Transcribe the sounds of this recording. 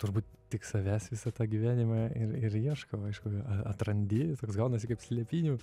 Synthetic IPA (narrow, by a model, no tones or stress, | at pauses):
t̪ʊɾbuːt̪̚ʲ | t̪ʲɪksɐʋʲæːsʋʲɪsɐt̪ɑːɡʲiʋʲæːnʲɪmɑːɪɾɪɾiɛʃkɐɐɪʃkʊɐɐt̪rɐnʲd̪ʲɪt̪oːksɡɐʊnɐsʲɪkɐpsʲlʲiɛpʲiːnʲuː